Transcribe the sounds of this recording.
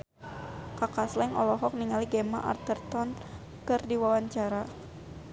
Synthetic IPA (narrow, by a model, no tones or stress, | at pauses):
kakaslɛŋʔɔ̰lɔɦɔk̚niŋaliɡɛma̰ʔa̰rt̪ərt̪ɔn | kɨrdiwawaɲt͡ʃaɾa